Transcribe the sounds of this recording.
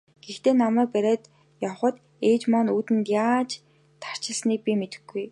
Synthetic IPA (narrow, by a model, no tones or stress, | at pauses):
ɡ̥ext̪eːnamæːk̚pæɾʲeːt̪ | jawχə̆t̪ | eːt͡ɕmɔnuːt̪ɘ̆nt̪jaːt͡ɕ | t̪ʰːḁr̥t͡ɕɪ̆ɮsniːk̚pʲimet̪ɘ̆ɡuj